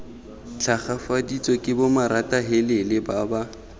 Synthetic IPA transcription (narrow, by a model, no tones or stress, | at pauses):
t͡ɬʰaχafadit͡sʼɔkʼɪbomaɾatʼaɦelɪlɪbaba